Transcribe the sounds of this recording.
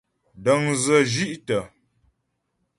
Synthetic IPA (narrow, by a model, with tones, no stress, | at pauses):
də˨ŋzə˨d͡ʒi˦ʔtə˨